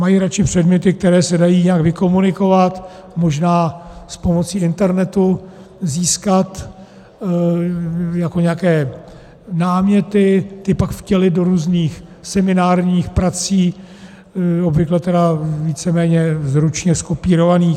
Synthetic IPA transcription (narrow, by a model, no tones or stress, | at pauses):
majiɾat͡ʃɪpr̝̥ɛdmɲɛt̪ɪk̚t̪ɛɾɛːsɛdajiːɲɛakvɪko̞munɪko̞vat̪mo̞ʒnaːspo̞mo̞t͡siːɪnt̪ɛɾnɛt̪u | ziːskat̪ | jakoɲɛakɛː | naːmɲɛt̪ɪt̪ɪpakfcɛlɪdo̞ɾuːzniːx | sɛmɪnaːrɲiːxpɾat͡siː | obvɪklɛt̪ɛdaviːt͡sɛmɛːɲɛzɾut͡ʃɲɛskopiːɾo̞vaniː